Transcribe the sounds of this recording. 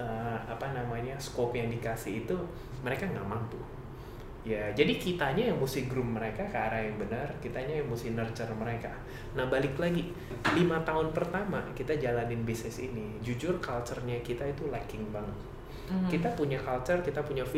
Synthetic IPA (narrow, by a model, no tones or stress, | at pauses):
əapanamaɲaskɔpjaŋdikasɪːt̪u | məɾekaŋamaŋt̪ʊh | jad͡ʒadikit̪aɲajaŋmusɪhɡɾʊmmːəɾekakaɾajaŋbənərkit̪aɲajaŋmusɪhnərt͡ʃərməɾeka | nahbalɪklaɡi | limat̪aɦʊnpərt̪ama̰kit̪ad͡ʒalanɪnbisɛsini | d͡ʒud͡ʒʊrkalt͡ʃərɲakit̪ait̪ulakɪŋbaŋət̪̚ | kit̪apuɲakalt͡ʃərkit̪apuɲafi